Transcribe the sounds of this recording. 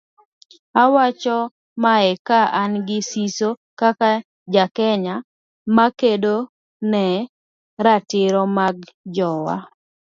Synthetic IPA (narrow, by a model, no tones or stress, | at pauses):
awat͡ʃɔ | maɛkaʔanɡɪsiso | kaka | d͡ʒakɛɲa | makedo | nɛ | ɾatɪɾɔmaɡ̚d͡ʒɔwa̰